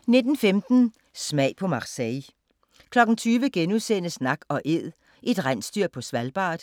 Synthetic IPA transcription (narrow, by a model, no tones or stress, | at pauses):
ne̝d̥n̩femd̥n̩ | smæɪ̰pʰɒ̽mɑ̈ʁsɛɪ | kʰlɒ̽ɡ̥n̩t͡sʰyːʋəɡ̥enusenəsnɑ̈ɡ̥ɒ̽ʔe̝ð̰ˠ | ʔe̝d̥ʁan̰sd̥yɐ̰pʰɒ̽sʋælb̥ɑ̰̈ːd̥